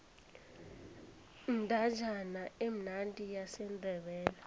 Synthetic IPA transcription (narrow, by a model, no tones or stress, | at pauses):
ndʱḁd͡ʒʱanaem̩nantʼijasɛndʱɛɓɛːla